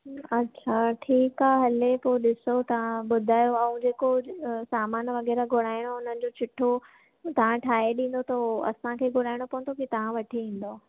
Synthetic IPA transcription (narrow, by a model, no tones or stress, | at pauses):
ɐtːɕʰaʈʰiːkaːɦeɦɐlepoɗɪsot̪ɐʋ̤ãɓʊd̪ʱaːjoɐ̃ũd͡ʑeːkosaːmaːnʋɐɣɛːɾaɡʱʊɽ̃aːɪɽ̃oʊn̤ənɪ̆d͡ʑot͡ɕʰɪʈʰːo | t̪ɐʋ̤ãʈʰaːɦeɗĩːn̆d̪ot̪oɐ̰sãkʰeːɡʱʊɽaːɪɽ̃opɐ̃ɦʊ̃nd̪ʰokit̪ɐʋ̤ãʋɐʈʰiĩːn̆d̪oː